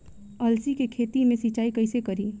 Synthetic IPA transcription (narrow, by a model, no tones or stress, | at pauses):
əlsikekʰet̪imesit͡ʃaikəjsekəɾi